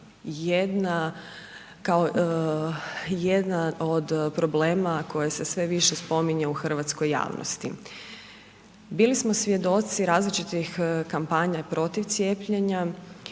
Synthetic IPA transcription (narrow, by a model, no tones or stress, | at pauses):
jed̪na | kao | jed̪nano̞d̪pɾo̞ble̞ːmako̞jese̞sʋe̞ʋiʃe̞spo̞miɲeuxr̩ʋat̪sko̞jːa̰ːʋno̰st̪i | biːlismo̞sʋje̞d̪o̞t̪siɾaːzlit͡ʃit̪ixkampaɲapɾo̞t̪iʋt̪sjeːpʎeɲa